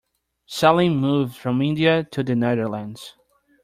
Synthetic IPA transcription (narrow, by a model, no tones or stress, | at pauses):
sɛlˠĩnmuvd̥fɹʌ̃mɪ̃ndiɨtʰɨðɨneðə˞lə̃ndz̥